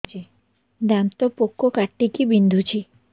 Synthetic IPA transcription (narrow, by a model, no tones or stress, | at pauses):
i | d̪ant̪opokːokaʈːikibind̪ʱut͡ɕʰi